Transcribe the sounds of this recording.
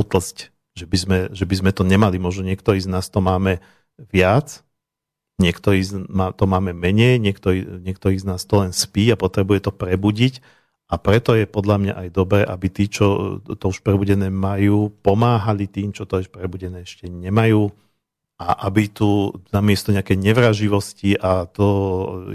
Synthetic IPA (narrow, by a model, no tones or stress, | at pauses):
ut̪l̩sc | ʒɛbizmɛʒɛbizmɛt̪ɔɲɛmalimʊɔʒnɔɲɪɛkt̪ɔɾiːznaːst̪ɔmaːmɛ | ʋɪat͡s | ɲɪɛkt̪ɔɾiːzmat̪ɔmaːmɛmɛɲɛjɲɪɛkt̪ɔɾiɲɪɛkt̪ɔɾiːɣznaːst̪ɔlɛnspiːapɔt̪ɾɛbujɛt̪ɔpɾɛbuɟic | ʔapɾɛt̪ɔjɛpɔd̪lʎamɲa̰ʔajd̪ɔbɾɛːʔabit̪iːt͡ʃɔt̪ɔuʃpɾɛbuɟɛnɛːmajuːpɔmaːɦalit̪iːmt͡ʃɔt̪ɔɛʃpɾɛbuɟɛnɛːɛʃcɛɲɛmajuː | ʔaʔabit̪unamɪɛst̪ɔɲɛakɛjɲɛʋɾaʒiʋɔsciʔat̪ɔ